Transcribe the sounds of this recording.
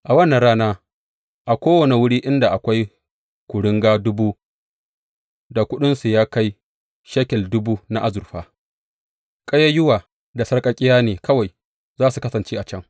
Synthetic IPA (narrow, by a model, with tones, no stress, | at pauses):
ʔa˨wɐ˦nːa˨ɽaː˦naː˦ | ʔa˨kʷoː˦wɐ˨ne˨wʊ˦ɽiː˦ʔɪ˦nda˨ʔa˨kʷa˦j | kʷʊ˨ɽɪ˦ŋɡaː˦dʊ˦bu˦ | da˨kʷʊ˦ɗɪ˦nsu˨jaː˦ka˦j | ʃɐ˦kʲɛ˨ldʊ˦buː˦na˦ʔa˦zʊ˨rɸaː˦ | kʼɐ˦jɐ˦jʊ˦waː˨ | da˨sɐ˦ɽkʼɐ˦kʲʼɪ˦jaː˦neː˨kɐ˦wa˨j | zaː˦su˨kɐ˦sɐ˨nt͡ʃeː˦ʔa˨t͡ʃɐ˦ŋ